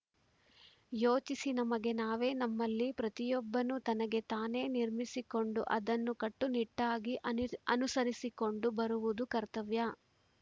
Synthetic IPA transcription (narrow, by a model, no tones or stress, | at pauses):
joːt͡ʃisinɐmɐɡe̞naːʋe̞ːnɐmːɐlːipɾɐt̪ijɔbːɐnut̪ɐnɐɡe̞t̪aːne̞ːniɾmisiko̞ɳɖṵʔɐd̪ɐnːukɐʈːuniʈːaːɡiʔɐnusɐɾisiko̞ɳɖubɐɾuʋud̪ukɐɾt̪ɐʋjɐ